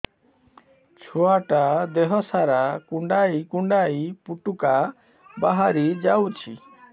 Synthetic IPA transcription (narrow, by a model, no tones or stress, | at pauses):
t͡ʃʰoaʈad̪eɦɔsaɾakuɳɖajkuɳɖajpuʈuka | baɦaɾid͡ʒawt͡ʃʰi